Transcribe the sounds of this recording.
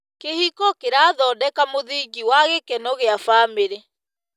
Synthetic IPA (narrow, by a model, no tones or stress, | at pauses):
kehikɔkeɾaːðɔːdɛkamoðiːɡiwaɣekɛnɔɣeafaːmeɾɛ